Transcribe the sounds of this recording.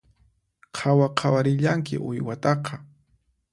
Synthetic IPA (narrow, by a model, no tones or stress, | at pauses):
qʰawaqʰɑwaɾɪʎaŋkɪ̰ʔʊjwat̪ɑqʰɑ